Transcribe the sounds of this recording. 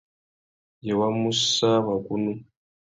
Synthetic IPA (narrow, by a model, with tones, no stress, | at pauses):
je˨wa˦mu˦sa˦βa˨ku˦nu˦